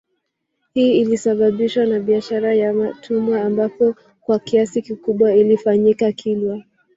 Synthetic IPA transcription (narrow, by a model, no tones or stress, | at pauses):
hiːilisaɓaɓiʃwanaɓiaʃaɾajamatʰumwaːmbapɔ | kwakiasikikuɓwailifaɲikakʰilwa